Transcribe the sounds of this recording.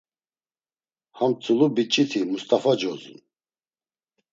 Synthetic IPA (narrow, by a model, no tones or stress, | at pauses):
hamt͡sʼulubit͡ʃʼit̪ʰimust̪ʼafad͡ʒɔzṵn